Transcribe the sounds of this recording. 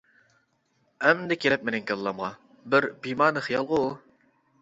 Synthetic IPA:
ɛmd̪ɛkʲʰelɪp̚menɪŋkʲʰelˠlːˠɑmʁɑ | bɪɾbimɑːnɨχijɑlˠʁʊ

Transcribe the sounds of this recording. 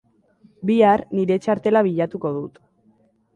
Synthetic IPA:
biarniɾe̞t͡ʃaɾt̪e̞laβiʎat̪uko̞ðut̪

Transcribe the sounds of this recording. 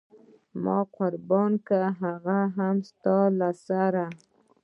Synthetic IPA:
mɑ̰qʊɾbɑnkaɦaɣaɦamst̪ɑlasaɾa

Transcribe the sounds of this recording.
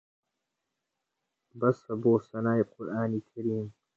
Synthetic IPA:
bɐsɐboːsɐnaːiqʊɾʔaːniːkʰɐɾiːm

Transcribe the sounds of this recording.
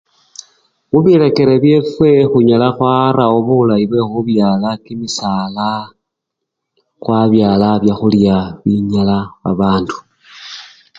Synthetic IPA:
muβile̞ke̞ɾeβje̞fwe̞xuɲalaxwaɾaoβulaiβwe̞xuβjaːlakimisaːla | kwaβjaːlaβjaxuljaβiɲalaβa̰βaːndu̥

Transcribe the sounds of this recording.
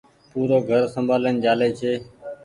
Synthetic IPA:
puːɾoːɡʱəɾsəmbʱaːlənd͡ʒaːleːt͡ʃʰeː

